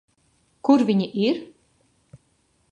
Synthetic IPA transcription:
kuɾvʲiɲiʔiɾ

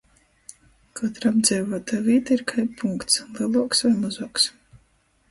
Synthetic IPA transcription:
kat̪ɾabd̪zʲɛjvuɔt̪aːviːt̪aiɾkʰajpʰuŋkt̪slˠiɛlˠuɔksvajmazuɔks

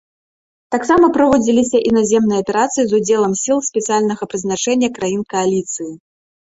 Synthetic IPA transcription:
t̪aksamɐpɾavɔd͡zʲilʲisʲɐʔinazʲɛmnɨjɐpʲɛɾat̪sɨjizud͡zʲɛlˠɐmsʲilˠsʲpʲɛt̪sɨjalʲnɐɣɐpɾɨznat͡ʂɛnʲːɐkɾajinkɐalʲit̪sɨji

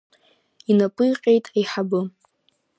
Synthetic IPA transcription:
inapʼɨjqʲʼe̞jtʼajħabɨ

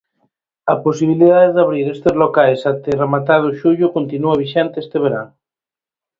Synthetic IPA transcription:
aposiβ̞iliðaðeðaβ̞ɾiɾest̪ezlokajsat̪eremat̪aðʊʃuʎʊkont̪inuaβiʃent̪eest̪eβ̞eɾan

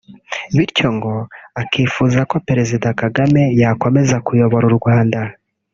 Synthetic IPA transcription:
βiɾco̞ŋɡo̞akiːfuzako̞peɾe̞zidakaɡame̞jako̞me̞zakujo̞βo̞ɾuɾɡwaːnda

